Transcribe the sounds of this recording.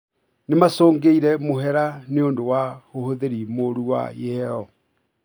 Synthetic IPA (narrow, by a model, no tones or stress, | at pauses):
nemasoːŋɡeiɾɛmoɦɛɾaneondowahohoðeɾimoɾuwa̰jɛɛɔ